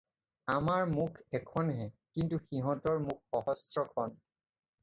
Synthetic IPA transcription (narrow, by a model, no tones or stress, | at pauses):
amaɹmukʰɛkʰɔnɦɛkintuxiɦɔ̃tɔɹmuk̚ʰxɔɦɔstɹɔkʰɔn